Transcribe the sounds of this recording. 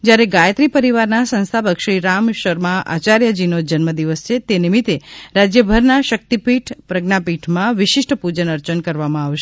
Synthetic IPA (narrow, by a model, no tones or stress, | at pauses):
d͡ʒjaɾeɡajət̪ɾipəɾiʋaɾnasə̃ñst̪ʰabəkʃɾiɾamʃəɾmãʔa̰t͡ʃaɾjəd͡ʒinod͡ʒənməd̪iʋəst͡ʃʰet̪enimit̪eɾad͡ʒjəbʱəɾnaʃək̚t̪ipiʈʰpɾəɡnapiʈʰmãʋɪʃɪʂʈʰəpud͡ʒənəɾt͡ʃənkəɾʋamãaʋʃe